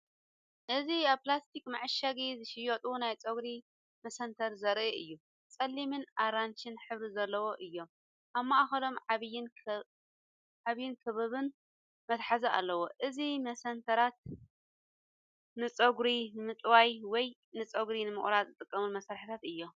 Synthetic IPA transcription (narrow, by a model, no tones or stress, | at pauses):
ʔɨziaβplast̪ʰikmaʕɨʃaɡizɨʃɪjot̪ʼunajt͡sʼɐɡɾi | mɐsɐnt̪ʰɐɾzɐɾʔiʔɨjːu | t͡sʼɐlːimɨnaɾant͡ʃɪnħɨβɾizɐlːɐwoʔɨjːo̞m | ʔaβmːaʔaxɐlo̞mʕaβjːɪn | ʕaβjːɪnkʰɨβɐβɨn | mɐt̪ħazɐʔa̰lːɐwoʔɨzimɐsɐnt̪ʰɐɾat̪̚ | nɨt͡sʼɐɡɾinɨmɨt̪ʼwajwɔj | nɨt͡sʼɐɡɾinɨmɨ̰χʼɾazɨt̪ʼɨkʼːɐmɨnmɐsɾaɾħit̪ʰat̪ɨjːo̞